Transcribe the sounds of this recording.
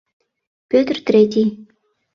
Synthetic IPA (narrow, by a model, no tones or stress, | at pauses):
pʲøt̪rt̪ɾʲet̪ʲi